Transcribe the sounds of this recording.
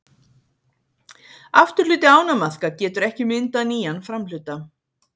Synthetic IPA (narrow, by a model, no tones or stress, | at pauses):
aft̪ʏɾlʏːt̪ɪaːwnamaθkacɛːt̪ʏɾɛhcɪmɪnt̪aniːjanfɾamlʏːt̪a